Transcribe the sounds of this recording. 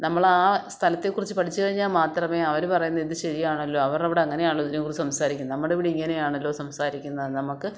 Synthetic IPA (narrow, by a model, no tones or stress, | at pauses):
nɐmːɐɭaːst̪ʰɐlɐt̪ːe̞kːurit͡ɕːɨpɐʈʰit͡ɕːɨkɐɻiɲːaːlmaːt̪rɐme̞ːɐʋɐɾupɐrɐjunːɐiðɨɕɐɾijaːɳɐlːo̞ːɐʋɐrɐʋiɽeɐŋːɐnejaːɭːoðinekurisɐmsaːɾikʲːunːɐnɐmːɐɽeʋiɽiiŋːɐnejaːɳɐlːo̞ːsɐmsaːɾikʲːunːɐðnɐmukːɨ